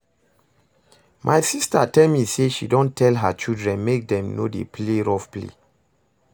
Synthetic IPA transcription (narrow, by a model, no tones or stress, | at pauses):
mʔajsistatɛlmiseʃidɔ̃ntʰɛlɦat͡ʃildɹɛ̃nmek̚dɛ̃mnodḛpʰleɹɔfplḛ